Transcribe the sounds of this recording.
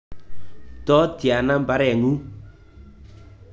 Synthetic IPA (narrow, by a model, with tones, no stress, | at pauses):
tɔ˦tja˨na˦m˨ba˨˦ɾɛ˨ŋu˦